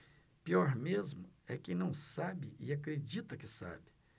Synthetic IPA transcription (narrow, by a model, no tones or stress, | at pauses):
piɔɾmezmʊɛkɪ̃nɐ̃w̃sabɪʔɪakɾed͡ʒit̪ɐkɪsa̰bɪ̥